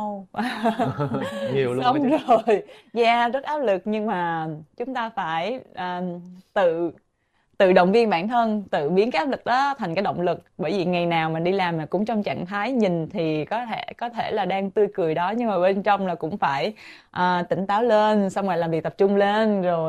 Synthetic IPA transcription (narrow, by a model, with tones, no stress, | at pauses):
w | ɲi˨˩wə˧wŋ͡mzo˨˩jzaː˧˩zə˦˥t̚ʔaː˨˦˥p̚lɨ˨˩k̚ɲɨ˧ŋmaː˨˩t͡ɕʊ˨˦ŋ͡mt̪aː˧faː˧˩jʔəː˨˩t̪ɨ˧˨ | t̪ɨ̰˧˨ɗə̰˧˨wŋ͡mvi˧ənɓa̰ː˧˩nt̪ʰə˧nt̪ɨ̰˧˨ɓi˨˦əkaː˨˦˥ʔaː˦˥p̚lɨ˨˩k̚ɗɔ˨˦t̪ʰjŋ̟kaː˨˦jɗə̰˧˨wŋ͡mlɨ˨˩k̚ɓəː˧˩jvi˨˩ŋa˨˩jnaː˨˩wma˨˩ɗi˧laː˨˩maː˨˩kʊ̰˧˥ŋ͡mt͡ɕɔ˧wŋ͡mt͡ɕa̰ː˧˨ŋt̪ʰaː˨˦jɲï˨˩ŋ̟t̪ʰi˨˩kɔ˨˦t̪ʰe˧˩kɔ˨˦t̪ʰe˧˩laː˨˩ɗaː˧ŋt̪ɨ˧əjkɨ˨˩əjɗɔ˨˦ɲɨ˧ŋmaː˨˩ɓe˧nt͡ɕɔ˧wŋ͡mlaː˨˩kʊ̰˧˥ŋ͡mfaː˧˩j | ʔəː˨˩t̪ï˧˩ŋ̟t̪aː˨˦wle˧nsa˧wŋ͡mŋa˨˩laː˨˩mvi˨˩t̪p̚t͡ɕʊ˧ŋ͡mle˧nzo˨˩j